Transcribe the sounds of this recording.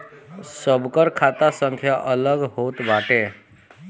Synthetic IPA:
səbkəɾkʰat̪asə̃ŋkʰjaʔələɡɦot̪baʈe

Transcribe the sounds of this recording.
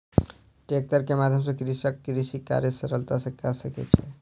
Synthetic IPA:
ʈek̚ʈəɾkemad̪ʱjəmsə̃kɾisəkːɾisika̰ɾjəsəɾəlt̪asə̃kasəkɛ̰t͡ʃʰɛ

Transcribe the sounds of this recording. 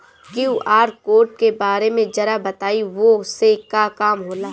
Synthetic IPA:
kjiuʔaːɾkoːɾʈ̚kebaːɾemẽd͡ʒɐɾabɐt̪aːiʋosekakaːmɦoːlaː

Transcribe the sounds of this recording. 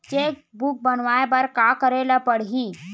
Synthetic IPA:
t͡ʃeːk̚buk̚bənʋaːepɐɾkakəɾelapəɽɦi

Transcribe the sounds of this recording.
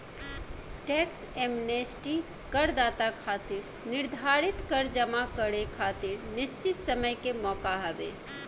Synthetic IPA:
ʈɛksemnesʈi | kəɾd̪at̪akʰat̪iɾ | niɾd̪ʱaɾit̪kəɾd͡ʒəmakəɾekʰat̪iɾnist͡ʃit̪səməjkemɔkaɦəbḛ

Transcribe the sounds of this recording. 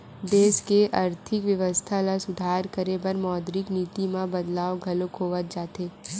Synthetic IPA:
d̪eːʃkeʔɐɾt̪ʰɪkʋjɐʋəst̪ʰalasʊd̪ʱaːɾkəɾebɐɾmɔːd̪ɾɪkniːt̪imãbɐd̪laːoɡʱɐlokʰoːʋət̪̚d͡ʒaːt̪eː

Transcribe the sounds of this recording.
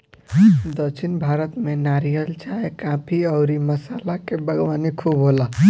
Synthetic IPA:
d̪ət͡ʃʰinbʱaːɾət̪menaɾijəlt͡ʃaɦekapʰiəʊɾiməsaːlakebəɡʋaːnikʰubɦola

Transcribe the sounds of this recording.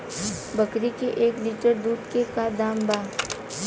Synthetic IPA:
bɐkɾikeʔeːkliːʈəɾd̪uːd̪kekad̪aːmbaː

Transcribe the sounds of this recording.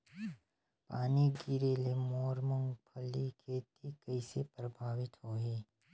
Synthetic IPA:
paːniɡiɾeːlemɔːɾmə̃ŋɡpʰɐlikʰeːt̪ikɐɪsepɾəbʱaːʋɪt̪ɦoːɦeː

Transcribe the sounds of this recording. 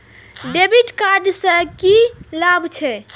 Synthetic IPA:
ɖebiʈkaɾɖsə̃kilabʱt͡ʃʰɛ

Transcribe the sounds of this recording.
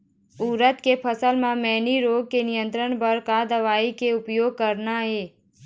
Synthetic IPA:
uːɾət̪kepʰəsəlmãmɛːniɾoːɡ̚kenɪjə̃nt̪ɾəɳpəɾkad̪əʋaːikeʊpjoːɡ̚kəɾnaɦeː

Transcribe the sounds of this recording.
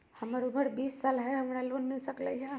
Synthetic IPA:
həmaɾuməɽbiːsːalɦɛɦəmɽaloːnmilsəkla̰ja

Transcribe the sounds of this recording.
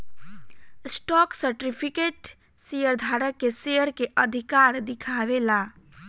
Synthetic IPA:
sʈɔksəɾʈipʰikeʈ | sejəɾd̪ʱaɾəkːesejəɾkeʔəd̪ʱikaɾd̪ɪkʰaʋela

